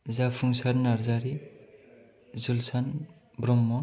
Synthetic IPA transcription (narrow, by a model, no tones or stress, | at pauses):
zapʰuŋsaɾnaɾzaɾi | zulsan | bɾɔmːɔ